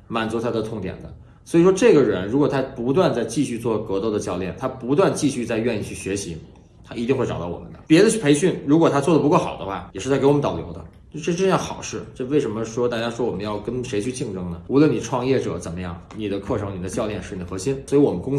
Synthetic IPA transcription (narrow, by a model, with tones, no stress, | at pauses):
ma˨˩nt͡su˧˥t̪ʰa˥d̪ə˧t̪ʰʊ˥˩ŋt̪jɛ̰˨˩nd̪ə˦ | swɔ˧˥i˨˩ʂwɔ˥ʈ͡ʂɤ˥˩ɡə˩ɻə˧˥nɻu˧˥kwɔ˨˩t̪ʰa˥pu˧˥t̪̬wa˥˧nt͡sa˥˧ɪt͡ɕi˥˧ɕy˥˧t͡swɔ˥˩kɤ˧˥t̪o˥˩ʊd̪ə˩t͡ɕjɑ˥˧ʊljɛ̰˥˩nt̪ʰa˥pu˧˥t̪̬wa˥˧nt͡ɕi˥˧ɕy˥˧t͡sa˥˧ɪɥɛ˥˧ni˥˧t͡ɕʰy˥˩ɕɥɛ˧˥ɕi˧˥ | t̪ʰa˥ʔi˧˥t̪i˥˧ŋxwe˥˩ɑ̰˨˩t̪ɑ˥˩wɔ̰˨˩mə̰˦nd̪ə̰˦pjɛ˧˥d̪ə˧t͡ɕʰpʰe˧˥ɪɕy˥˩nɻu˧˥kwɔ˨˩t̪ʰa˥t͡swɔ˥˩d̪ə˩pu˧˥kɔ˥˩xɑ˨˩ʊd̪ə˦xwa˥˩jʂɻ̩˥˩a˥˩kwnt̪ʊljo˧˥ʊd̪ə˧˥˧ʈ͡ʂɤ˥˧ʈ͡ʂə˥˧jɑ˥˩xɑ˨˩ʊʂɻ̩˥˩ʈ͡ʂɤ˥˧we˥˩ɪʂə˧˥mə˧ʂwɔ˥t̪a˥˧˩t͡ɕja˥ʂwɔ˥wɔ˨˩mə˦jɑ˥˩ʊkə˥nʂe˧˥ɪt͡ɕʰy˥˧t͡ɕi˥˩ŋʈ͡ʂɤ˥ŋnə˨˩u˧˥lwə˥˩ni˨˩ʈ͡ʂʰwɑ˥˧ŋjɛ˥˩ʈ͡ʂɤ̰˨˩˦t͡sə˨˩nmə˦jɑ̰˥˩ŋni˨˩d̪ə˦kʰɤ˥˩ʈ͡ʂʰɤ˧˥ŋni˨˩d̪ə˦t͡ɕjɑ˥˧ʊljɛ˥˧nʂɻ̩˥˩n˨˩xɤ˧˥ɕi˥nswɔ˧˥i˧˥wɔ˨˩mə˦nkʊ˥ŋ